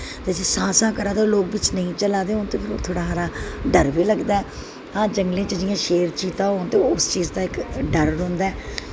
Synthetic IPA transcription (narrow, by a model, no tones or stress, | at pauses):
t̪eːd͡ʒeːsãːsãːkəɾaːd̪eːloːk̚ʋɪt͡ʃnəĩːt͡ʃəlaːd̪eːoːnt̪eːpʰɪɾo̰ːt̪ʰoːɽaːaːɾaːɖəɾʋiːləɡd̪aːɛ | hãːd͡ʒəŋɡlẽːt͡ʃəd͡ʒɪjãːʃeːɾt͡ʃiːt̪ãːɦoːnt̪eːʊst͡ʃiːzd̪aːɪkɖəɾɾʊ̃ːnd̪aːɛː